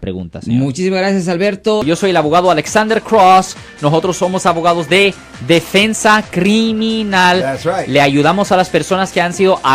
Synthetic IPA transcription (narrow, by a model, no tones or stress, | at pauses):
pɾḛɣṵnt̪asmut͡ʃisimazɣɾasjas̬alβe̞ɾt̪ojʝo̞so̞jelaβo̞ɣaðoale̞ksand̪eɾkɾos | noso̞t̪ɾo̞sːo̞mo̞saβo̞ɣ̞aðo̞zðe̞ | ðe̞fe̞nsakɾiminalsaːeaʝuðamo̞salaspe̞ɾso̞naske̞ansiðo̞ʔa